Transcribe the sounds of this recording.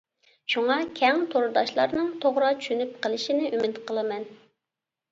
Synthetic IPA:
ʃuŋɑkʲʰɛŋt̪ʰoɾud̪ɑʃlˠɑɾnɨŋt̪ʰoʁɾɑt͡ʃʰy̥ʃynyp̚qəlˠɨʃinɪʔymɪt̪qəlˠɨmɛn

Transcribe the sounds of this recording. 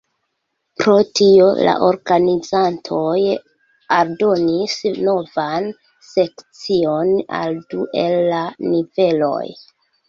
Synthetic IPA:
pɾo̞tio̞̰la̰ʔo̞ɾɡanid͡zantʰo̞j | aldo̞nisno̞van | se̞kt͡sio̞na̰lduʔe̞lːanive̞lo̞̰j

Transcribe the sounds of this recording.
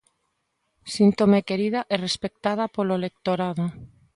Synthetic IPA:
sint̪omekeɾið̞aʔerespek̚t̪að̞apoloelek̚t̪oɾaðo

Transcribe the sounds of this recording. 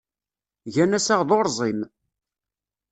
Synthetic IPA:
ʝænæsaʁðoɾzˤim

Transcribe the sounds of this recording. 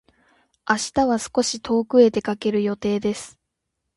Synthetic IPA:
aɕi̥t̪aβasɨ̥ko̞ɕit̪ʰo̞ːkɯ̟e̞t̪e̞kake̞ɾɯ̟jo̞t̪e̞ːd̪e̞sɨ̥

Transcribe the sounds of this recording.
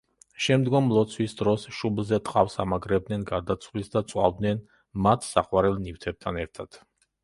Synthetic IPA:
ʃɛmd̪ɡɔmlˠɔt̪sʰwisd̪ɾɔsʃublˠzɛt̪ʼqʼafsamaɡɾɛbd̪nɛnɡaɾd̪at̪sʰwlisd̪at̪sʼwa̰vd̪nɛn | mat̪ʰsa̰qʼwaɾɛlˠnift̪ʰɛb̚t̪ʰanɛɾt̪ʰad̪̥

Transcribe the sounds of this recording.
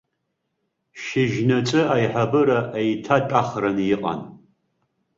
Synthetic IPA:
ʃɪʒnɐt͡sʼɨaːjħabɨɾɐʔejtʰatʼaːχrɐnjɪqʼɐ̰n

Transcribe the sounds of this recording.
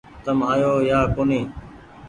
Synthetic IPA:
t̪əmaːjoːjaːkoːniː

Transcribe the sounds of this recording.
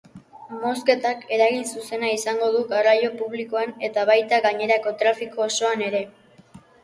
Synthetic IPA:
mo̞ske̞t̪ake̞ɾaɣinsuse̞naisaŋɡo̞ð̞uɣarajo̞puβliko̞ane̞t̪aβ̞ajt̪aɣaɲe̞ɾako̞t̪ɾafiko̞ːso̞ane̞ɾe̞

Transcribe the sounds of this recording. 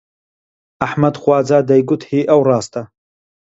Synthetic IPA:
aħmadχʷaːd͡zadajɡʷʊtʰhiːʔawraːstʰʼa

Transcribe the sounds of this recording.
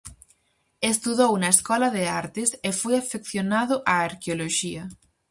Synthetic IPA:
est̪uðownaeskɔlaðeaɾt̪esefweafekθjonaðoʔaːɾkeoloʃia

